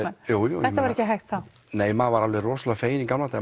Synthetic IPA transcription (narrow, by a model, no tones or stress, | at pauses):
juːjṵɛt̪avaɾɛhcɪɦajxt̪θa | neːjmavaɾalverɔːsalafeːjɪnikamlat̪a